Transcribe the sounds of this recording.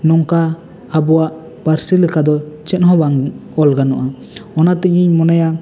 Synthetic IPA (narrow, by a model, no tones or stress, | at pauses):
nɔŋkaː | bɔwaʔ | paɾsilɛkad̪ɔt͡ʃɛt̪hɔbaŋɔlɡanɔʔa | ɔnat̪ɛɲiɲmɔnaja